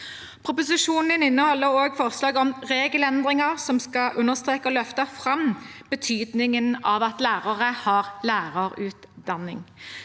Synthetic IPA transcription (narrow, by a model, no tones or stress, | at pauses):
pʰʁʊpʊsɪʂuːnnɪnɪnːəhɔlːəʁoːɡfɔʁslɑːɡɔmʁeːɡəlɛnd̪ʁɪŋəʁsɔmskɑʔʉnːəʁst̪ʁeːkəɔlœft̪əfʁɑmb̥ət̪ʰyːd̪nɪŋənɑʋɑt̪læːʁɑʁəhɑʁlæːʁəʁʉːt̪d̪ɑnɪ̰ŋ